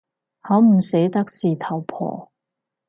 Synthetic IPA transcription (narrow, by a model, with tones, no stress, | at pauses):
hɐ˨˥wm̩˨˩se˨˥jt̪ɐ˥k̚siː˨t̪ʰɐ˨˩wpʰɔ̰ː˨˩